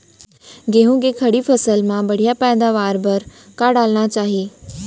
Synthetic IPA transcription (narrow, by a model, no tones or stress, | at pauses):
ɡeːɦũɡekʰɐɽipʰɐsəlmãbɐɽ̤ijapɛːd̪aʋaːɾbɐɾkaːɽaːlñat͡ɕaːɦijeː